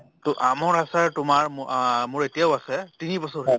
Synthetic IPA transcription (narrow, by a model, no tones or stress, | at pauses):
tɔʔamɔɹasaɹtʊmaɹmmʊɹetijaʊasɛtinibɔsɔɹɛ